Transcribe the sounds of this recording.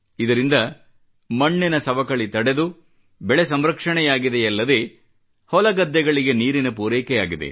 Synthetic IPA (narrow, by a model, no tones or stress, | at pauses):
id̪ɐɾind̪ɐ | mɐɳːinɐsɐʋɐkɐɭit̪ɐɽed̪u | bɛɭesɐmɾɐkʂɐɳɛjaːɡid̪eɐlːɐd̪e̞ | hɔlɐɡɐd̪ːɛɡɐɭiɡe̞niːɾinɐpuːɾɛːkɛja̰ːɡid̪ḛ